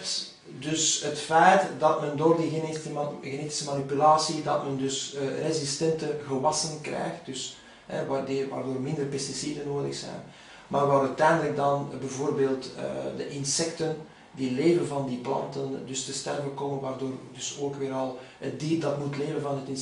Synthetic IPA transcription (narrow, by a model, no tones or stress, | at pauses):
t | dʏsɦətfɛjtdɑtmɛndoːrdiɣnɣeneːti̥səmanipylaːsidɑtməndʏsərezistɛntəɣəʋɑsənkrɛ̰jxt̚d̥ʏs | ɦɛ̰adʋa̰ːrdoːrmɪndərpɛstisidənoːdə̰xsɛ̰jn | maːrʋaːɾœtɛːndələɡ̚dɑnbɛvoːrbeːlˠtə̰də̰ʔɪnsɛktən | diːleːvənvɑndiːplɑ̰ntəndʏstəstɛrvəkoːmənʋaːrdoːrdɵsoːkʋɪːɾɑlˠ | ət̚diːrdɑtmutleːvənvɑnɦətɪn